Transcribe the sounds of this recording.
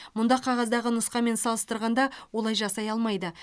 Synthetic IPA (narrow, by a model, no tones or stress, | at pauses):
mʊnd̪ɑqʰɑʁɑzd̪ɑʁənʊsqɑme̞nsɑlˠəst̪əɾʁɑnd̪ɑwo̞lˠɑjʒɑsɑjɑlˠmɑjd̪ə